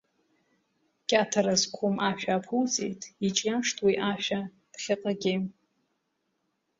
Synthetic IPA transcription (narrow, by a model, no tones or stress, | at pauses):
kʲʼatʰaɾazkʷʰumʔaʃᶣaːpʰuwt͡sʼḛjtʼit͡ʃʼjamʂtʰʼwiʔaʃᶣa | d̥χʲɪqʼaɡʲem